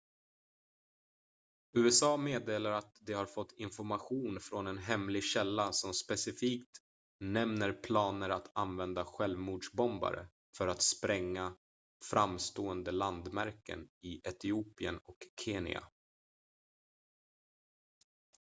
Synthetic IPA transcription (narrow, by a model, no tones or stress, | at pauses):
ʉ̟ːɛsɑːmeːd̪eːlaɾat̪d̪ɛhaɾfɔt̪ːɪnfɔɾmaɧuːnfɾɔnɛnɦɛmlɪɡɕɛlːasɔmspɛsɪfiːkt̪ | nɛmnəɾpʰlɑːnəɾat̪ʰanvɛnd̪aɧɛlvmuːɖʂbɔmba̰ɾə̰ | fœɾat̪spɾɛŋːa | fɾʔamst̪oːənd̪əland̪mæɾkə̰nɪʔɛt̪ɪuːpɪə̰nɔkʰːeːnɪ̰a̰